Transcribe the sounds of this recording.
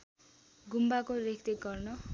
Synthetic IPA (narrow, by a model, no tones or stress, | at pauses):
ɡumbakorekʰt̪eɡʌrnʌ